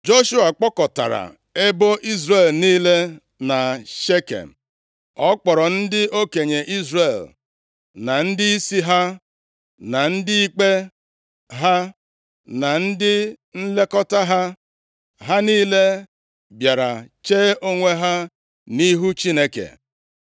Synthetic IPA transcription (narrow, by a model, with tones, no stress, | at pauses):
d͡ʒo˦ʃu˦a˨k͡pɔ˦kɔ˨ta̰˨ɾa̰˨ | e˦bo˦ʔi˦zɾe˨lniː˦le˦ | na˨ʃe˦kḛ˨m̩˨ | ɔ˦k͡pɔ˨ɾɔ˨n̩˦dɪ˦o˦ke˨ɲe˨ʔi˦zre˨l | na˨n̩˦dɪ˦i˦si˦ɦa˦ | na˨n̩˦dɪ˦i˦k͡pe˦ | ɦa˦ | na˨n̩˦dɪ˦n̩˦le˦kɔ˦ta˦ɦa˦ | ɦa˦niː˦le˦ | bja˨ɾa˨t͡ʃeː˦ʔo˦ŋʷe˦ɦa˦ | ni˦ɦu˦t͡ʃi˦ne˦kḛ˨